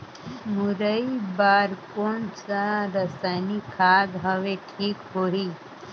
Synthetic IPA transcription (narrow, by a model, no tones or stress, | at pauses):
muɾəibaːɾkonsaɾəsajnikʰaːd̪ɦəʋeʈʰiːkɦoɦi